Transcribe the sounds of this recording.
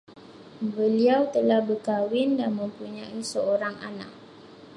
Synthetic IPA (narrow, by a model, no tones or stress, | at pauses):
bəliawt̪əlahbərkawɪndanmə̃mpuɲãisəoɾaŋa̰na̰ʔ̚